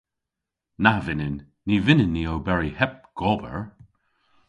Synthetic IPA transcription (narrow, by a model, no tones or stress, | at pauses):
navɪnɪnː | ivɪnɪnːiowbɛɹihɛp̚ɡ̥ɔbə̰ɹ